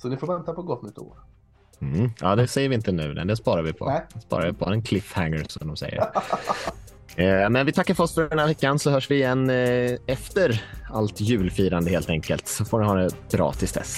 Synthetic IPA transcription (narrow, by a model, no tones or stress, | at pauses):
sɔnɪfoːɾvɛnt̪apɔɡɔt̪ːnʏt̪ːo̰ːɾ | m̩ɑ̰ːd̪ɛsɛjːəɾvɪɪnt̪ənʉ̟̰ːnɛ̰d̪ɛspɑːɾaɾvɪpʰɔ̰d̪ɛspɑ̰ːɾaɾvɪpʰɔɾɛnkʰlɪfhæŋːəɾsɔmd̪ɔmsɛ̰jːə̰ɾ | mɛnvɪt̪ʰakːaɾfœɾɔsfœɖɛnhaːvɛkːansɔhœːʂvɪːjɛnːɛft̪əɾalt̪jʉ̟ːlfiːɾand̪əheːlt̪ɛŋkəlt̪sɔfoːɖɛnhɑːd̪ɛb̥ɾɑ̰ːt̪ʰɪlsd̪ɛ̰s